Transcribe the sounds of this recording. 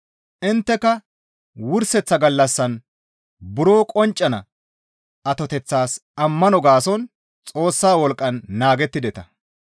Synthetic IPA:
ʔɪnt̪ːɛkɐ | wʊɾsɛt͡sːɐɡɐlːɐsːɐn | bʊɾoːkʼɔnt͡ʃʼːɐnɐ̰ | ɐt̪ɔt̪ɛt͡sːaːsɐmːɐnɔɡaːsɔn | t͡sʼoːsːaːwɔlkʼːɐnːaːɡɛt̪ːɪd̪ɛt̪ɐ

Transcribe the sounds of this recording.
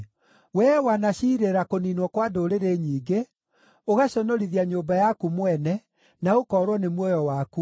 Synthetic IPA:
wɛːwanaɕiːɾeɾakoniːnwɔkwadoɾeɾeɲiːɡe | oɣaɕɔnɔɾiðiaɲoːbajakumwɛnɛ | naokɔːɾwɔnemwɔjɔwaːku

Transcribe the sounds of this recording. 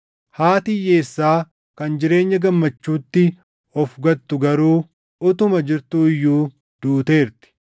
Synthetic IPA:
haːt̪ɪjːe̞ːsːaː | kɐnd͡ʒɪɾe̞ːɲːɐɡɐmːɐt͡ʃːuːt̪ːɪ | ɔfɡɐt̪ːʊɡɐɾuː | ʊt̪ʊmɐd͡ʒɪɾt̪uːɪjːuː | d̪̥uːt̪e̞ːɾt̪ɪ̥

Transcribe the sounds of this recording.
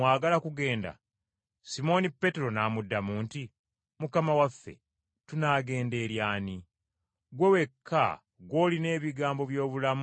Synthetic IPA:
aːɡalakuɡe̞ːnda̰ | simo̞nipːe̞te̞ɾo̞naːmudːamuːnti | mukamawafːe̞̰ | tunaːɡe̞ːnde̞ːɾjaːni | ɡwewe̞kʰːa̰ | ɡwo̞ːline̞ːβiɡaːmbo̞βjo̞ːβulam

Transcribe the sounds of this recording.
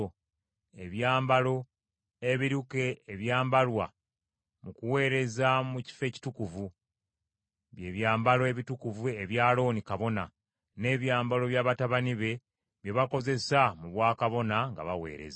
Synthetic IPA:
e̞βjaːmbalo̞ | eβiɾuke̞ːβjaːmbalwa̰ | mukuwe̞ːɾe̞zamuci̥fe̞ːci̥tukuvu | βje̞ːβjaːmbaloe̞βitukuvue̞βjaːlo̞ːnikaβo̞na | ne̞ːβjaːmbalo̞βjaːβataβaniβe̞ | βjeβako̞ze̞samuβwaːkaβo̞naŋɡa̰βawe̞̰ːɾe̞̰za

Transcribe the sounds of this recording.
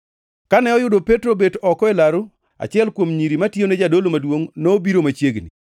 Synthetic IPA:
kanɛɔjʊdopetɾobetɔkɔelaɾʊ | a̰t͡ʃɪɛlkwomɲiɾimatjened͡ʒadolomadwoŋnoːbiɾomat͡ʃjeɡni

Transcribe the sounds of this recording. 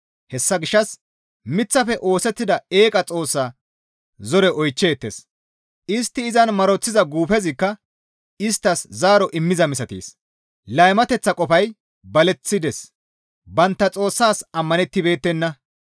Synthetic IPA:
hɛsːɐɡɪʃːɐs | mɪt͡sːɐfɛʔo̞ːsɛt̪ːɪd̪ɐe̞ːkʼɐt͡sʼo̞ːsːaː | zɔɾɛʔɔjt͡ʃːeːt̪ːes | ʔɪst̪ːɪːzɐnmɐɾɔt͡sːɪzɐɡuːfɛzɪkːɐ | ɪst̪ːɐszaːɾɔʔɪmːɪzɐmɪsɐt̪ḭːs | lɐjmɐt̪ɛt͡sːɐkʼɔfɐj | bɐlɛt͡sːɪd̪ɛs | bɐnt̪ːɐt͡sʼo̞ːsːaːsɐmːɐnɛt̪ːɪbe̞ːt̪ːɛnːɐ

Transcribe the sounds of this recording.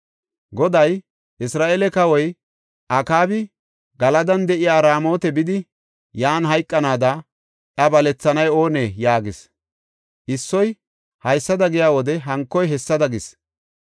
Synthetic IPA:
ɡɔd̪ɐj | ʔɪsɾaːʔeːlɛkɐwɔj | ʔakaːbɪ | ɡɐlɐd̪ɐnd̪ɛʔɪjaːɾaːmo̞ːt̪ɛbɪd̪ɪ | jaːnɦɐjkʼːɐnaːd̪ɐ | ʔɐbɐlɛt͡sːɐnɐjo̞ːneːjaːɡɪs | ʔɪsːɔj | hɐjsːɐd̪ɐɡɪjaːwɔd̪ɛɦɐŋkːɔjɦɛsːɐd̪ɐɡɪs

